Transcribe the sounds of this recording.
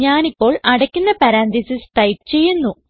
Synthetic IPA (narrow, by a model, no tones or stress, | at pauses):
ɲaːnipːo̞ːɭʔɐɽɐkʲːunːɐpɐɾaːnd̪isisʈɐjʈ̚t͡ɕe̞jːunːu